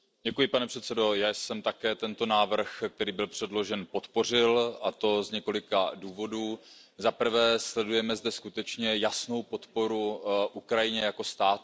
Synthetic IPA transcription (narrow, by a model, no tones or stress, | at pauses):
ɟɛkujɪpanɛpr̥ɛt̪sɛdo̞jaːjsɛmt̪akɛːt̪ɛnt̪o̞naːvr̩xk̚t̪ɛɾiːbɪlpr̝̥ɛdlo̞ʒɛnpo̞t̪po̞r̝ɪlat̪o̞zɲɛko̞lɪkaduːvo̞duː | zapr̩vɛːslɛdujɛmɛzdɛskut̪ɛt͡ʃɲɛjasno̞wpo̞t̪po̞ɾuʔukɾajɪɲɛjako̞st̪aːt̪